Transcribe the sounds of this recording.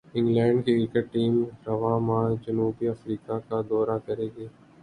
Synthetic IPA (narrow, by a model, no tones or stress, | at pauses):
ɪ̃ŋɡlɛ̃ːɳɖkekɪkəʈʈiːmɾɐʋaːmãːd͡ʒɐnuːbiɐfɾiːkakad̪ɔːɾakɐɾeːɡeː